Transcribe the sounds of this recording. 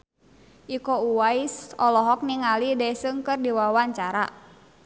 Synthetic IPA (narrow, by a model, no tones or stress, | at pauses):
ʔikɔuwaisɔlɔɦɔk̚niŋalidɛsɨŋkɨrdiwawaɲt͡ʃaɾa̰